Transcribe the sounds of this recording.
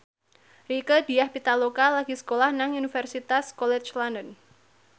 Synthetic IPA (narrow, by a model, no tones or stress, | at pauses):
rikədi̤jahpit̪alokalaɡ̥isə̥kolahnaŋunifɛrsit̪askɔlɛt͡ʃlandən